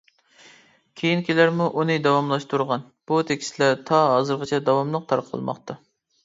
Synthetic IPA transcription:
kʲʰejinkʲilæɾmuʔunɨd̪ɑwɑmlˠɑʃt̪uɾʁɑn | b̥ut̪ʰekʲi̥slæɾt̪ʰɑɦɑzɨɾʁət͡ʃʰɛd̪ɑwɑmlˠəq̚t̪ʰɑɾqʰːə̰lˠmɑ̰χt̪ɑ

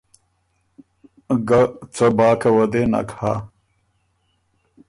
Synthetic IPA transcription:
ɡɐt͡sɐbaːkɐwɐd̪enɐ̰khaː

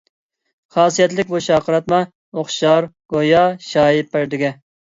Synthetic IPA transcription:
χɑːsijɛt̪lɪkʲboʃɑːqʰəɾɑt̪mɑ | oχʃɑɾ | ɡ̥ojɑʃɑːjipːæɾd̪ɪɡʲɛ

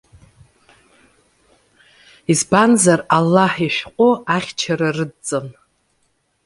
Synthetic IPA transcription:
izbanzaralːaħiʃʷᶣqʷʼoaχʲt͡ʃʰaɾarɨdt͡sʼɨn

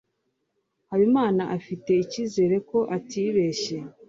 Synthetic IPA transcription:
haβimaːnaʔafite̞iciːze̞ːɾe̞ko̞ʔatiβe̞ːʃe̞

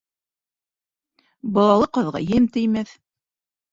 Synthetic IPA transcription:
bɑlˠɑlˠɤqɤ̆ðʁɑ̰jɘmt̪ɘ̆jmæθ

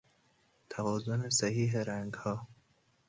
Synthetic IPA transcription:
t̪ʰævɒːzonesæhiːɦeɾæŋɡhɒː

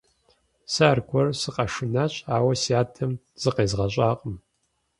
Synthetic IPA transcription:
saːrkʷʰɔrsɨqʼɐʂɨnaɕʼaːwɐsiaːtʰɐm | z̥ɨqeːzʁɐɕʼaːqʼəm

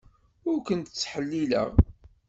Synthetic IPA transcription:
ʊɾkʷənt̪t͡sːħəlːilə̰ʁ

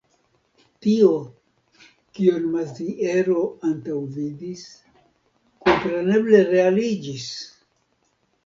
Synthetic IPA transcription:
tio̞ | kionmazdiʔeɾo̞antawvidis | ko̞mpɾe̞ne̞ble̞ɾe̞alid͡ʒis

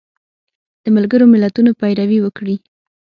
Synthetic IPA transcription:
d̪̥əmalɡəɾomɪlat̪unopajɾawiwəkɽi

